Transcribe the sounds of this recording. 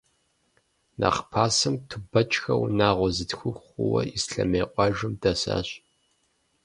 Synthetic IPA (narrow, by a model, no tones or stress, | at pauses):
nʔɐ̰χpʰaːsɨmtʰɨbɐt͡ʃʼxɐwnaːʁʷɔzɨtxʷʊxʊwɐ̰isɬɐ̰meːqʷʼɑʒʊmdɐsa̰ːɕ